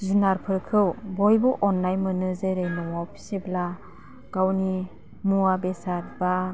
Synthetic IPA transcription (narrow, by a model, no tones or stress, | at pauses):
zunaɾpʰɯɾkʰɯwbɔjbɔʔɔnːajmɯnɯzeɾejnɔwawpʰi̥sebla | ɡ̥awni | muabesaɾba